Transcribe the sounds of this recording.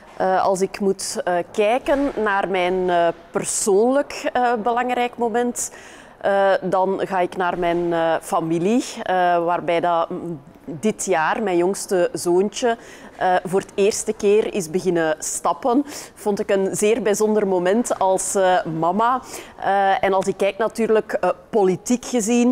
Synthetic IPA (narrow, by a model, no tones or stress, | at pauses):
ʔəɑ̰lˠsɪkmutəkɛːkənːaːrmɛjnːpərsoːnləkəbəlɑŋrɛjkmomɛnt | ədɑnɣaːɪknaːrmɛnːfamiliəʋaːrbɛːjdɑ | dɪtjaːrmɛnjɔŋstəzoːnt͡ʃə | ʔvoːrəteːrstəkeːrɪ̰zbəɣɪnəstɑpənv̥ɔntɪkənzeːrbəzɔndərmomɛntɑlˠsəmɑmaəɛnɑlˠsɪkːɛjk̚natyːrləkpolitikxəzin